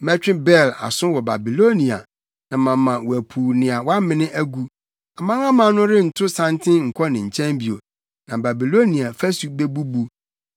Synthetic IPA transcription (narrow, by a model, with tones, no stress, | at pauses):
mɛ˦t͡ɕᶣɪ̃˦bɛ˦˨la̰˨sʊ̃˦wɔ˨ba˨bi˨lo˦nĩ˨a̰˨ | nã˨mã˨mːã˨wɔ˨æ˨pʰuː˨nɪ̃˨a˨wɔ˦a˦mɪ̃˦nɪ̃˦ʔæ˦ɡu˦ | a˨mã˦ŋã˦mã˨˦nʊ̃˦ɾɪ˦n̩˨tʰʊ˦sã˦ntʰɪ̃˦ŋ̩˨kʰɔ˦nɪ̃˨ɲ̩˨t͡ɕʰɛ̃˦mbi˨o̰˨ | nã˨ba˨bi˨lo˦nĩ˨a˨fɛ˦su˨be˦bu˦bu˦